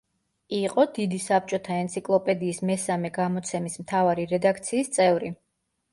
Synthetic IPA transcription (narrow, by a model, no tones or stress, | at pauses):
iqʼɔd̪id̪isap̚t͡ʃʼɔt̪ʰaɛnt̪sʰikʼlˠɔpʼɛd̪iːsmɛsamɛɡamɔt̪sʰɛmismt̪ʰavaɾiɾɛd̪akʰt̪sʰiːst̪sʼɛvɾi